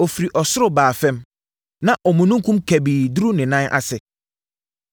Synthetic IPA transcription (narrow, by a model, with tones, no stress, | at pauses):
ɔ˨fi˨ɾi˨ʔɔ˨sʊ˦ɾʊ˦baː˨fɛ̃˦m | nã˨ʔɔ˨mũ˨nũ˦ŋ˦kʰũ˦mkʰæ˨biː˨du˦ɾu˦nɪ̃˨nã˦nʔa̰˦sɛ˨